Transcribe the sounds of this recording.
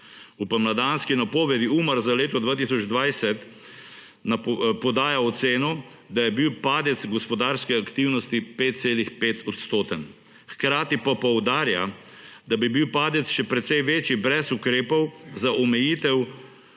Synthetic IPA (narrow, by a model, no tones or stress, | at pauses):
upəmlad̪anskinapoːʋɛd̪iuːməɾzaleːt̪ɔd̪ʋaːt̪isɔd͡ʒd̪ʋajsɛt̪ | napɔd̪aːjaɔt̪seːnɔ | d̪ajɛbiwpaːd̪ɛt̪sɡɔspɔd̪aːɾskɛakt̪iwnɔst̪ipeːt̪̚t̪seːlixpeːt̪ʰɔt̪st̪oːt̪ən | xkɾaːt̪ipapɔwd̪aːɾja̰ | d̪abibiwpaːd̪ɛt̪sʃɛpɾɛt̪sɛjʋeːt͡ʃibɾɛsukɾeːpɔwzaʔɔmɛjiːt̪ɛw